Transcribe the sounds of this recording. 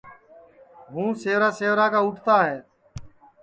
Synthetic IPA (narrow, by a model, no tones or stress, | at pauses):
ɦũːseːʋɾaːseːʋɾaːkaːʊʈʰt̪aːɦeː